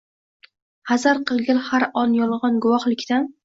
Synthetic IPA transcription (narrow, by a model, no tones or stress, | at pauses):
hazaɾqʰɨlˠɡʲɪlhaɾɒnjɒlˠʁɒnɡʊwɒχlɪkʲt̪an